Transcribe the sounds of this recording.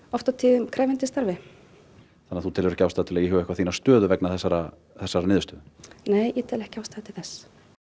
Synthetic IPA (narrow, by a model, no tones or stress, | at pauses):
ɔft̪at̪ʰɪðʏmkʰɾɛːjvɪnt̪ɪst̪aɾvɪ | θanːaθut̪ʰɪlvɛɾhcaːwst̪aːt̪ɪlɛːɣjɛhɛːvɛhkvaθiːnast̪œːðʏvɛknaθɛsːaɾa | θɛsːaɾanɪːðʏst̪ʏneːjːɛt̪ʰɛːlɛhcawst̪at̪ʰɪlθɛs